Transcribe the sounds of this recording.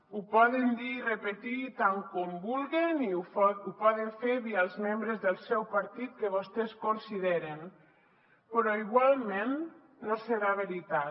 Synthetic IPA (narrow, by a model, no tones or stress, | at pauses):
upɔðend̪irəpet̪it̪aŋkombulˠɣeniupɔðeɱfeɾβialˠzmembɾezðəlˠsɛwpaɾt̪it̪̚kəβost̪ɛskonsiðeɾen | pɾɔiɣwalˠmenː | osəɾaβeɾit̪a